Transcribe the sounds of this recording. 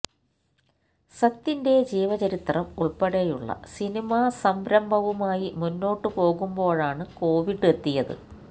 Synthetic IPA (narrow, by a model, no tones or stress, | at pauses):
sɐt̪ːinded͡ʑeːʋɐt͡ɕɐɾit̪rɐmuɭpɐɽejuɭːɐ̰sinimasɐmbɾɐmbʱɐʋumaːjimunːo̞ːʈːɨpo̞ːɣumbo̞ːɻaːɳɨko̞ːʋiɽet̪ːijɐðɨ̰